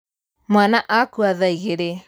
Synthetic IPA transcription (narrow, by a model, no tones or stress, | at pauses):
manaʔakuaðaiɣeɾe